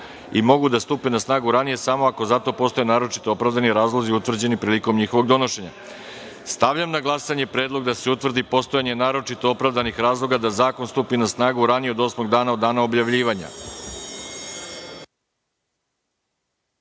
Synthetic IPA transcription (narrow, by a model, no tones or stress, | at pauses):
imo̞ɡud̪ast̪upenasnaːɡuɾanije̞samo̞ako̞zat̪o̞po̞st̪oenaːɾo̞t͡ʃi̥t̪oopɾavd̪aniɾaːzlˠoziut̪ʋr̩d͡ʑe̞nipɾiːliko̞mɲixo̞ʋo̞ɡd̪o̞no̞ʃe̞ɲa̰ | st̪aʋʎamnaɡlˠasaɲe̞pɾeːd̪lˠo̞ɡd̪ase̞ut̪ʋr̩d̪ipo̞st̪ojaɲe̞naːɾo̞t͡ʃit̪o̞opɾavd̪anixɾaːzlˠo̞ɡad̪azaːko̞nst̪upinasnaːɡuɾanijeod̪o̞smo̞ɡd̪aːnao̞d̪ːaːnao̞bʎaʋʎiːʋaɲa̰